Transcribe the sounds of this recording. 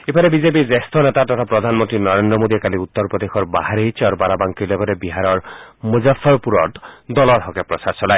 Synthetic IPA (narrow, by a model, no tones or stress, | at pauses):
epʰaɾebid͡ʒep̬id͡ʒest̪ʰɔnet̪at̪ɔt̪ʰapɾɔd̪ʱanmɔnt̪ɾinɔɾend̪ɾɔmod̪iakaliut̪ːɔɾpɾɔd̪exʰɔɾba̰ɦaɾit͡ʃaɾɔbaɾabaŋkilɔɡɔɾebiɦaɾɔɾmuzafʰɔɾpuɾɔʈd̪ɔlɔɾɦɔkepɾɔsaɾsɔlae